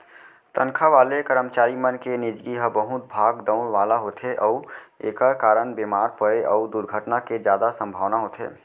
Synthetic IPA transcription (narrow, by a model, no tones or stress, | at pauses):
t̪ənkʰaʋaːlekəɾəmt͡ʃaːɾimənkenid͡ʒɡiɦəbəɦut̪̚bʱaːɡd̪əʊɽʋaːlaɦoːt̪ʰeʔɔueːkəɾkaːɾəɳbeːmaːɾpəɾeʔɔd̪uɾɡʱəʈnaked͡ʒjaːd̪asə̃mbʱaːʋnaɦoːt̪ʰḛː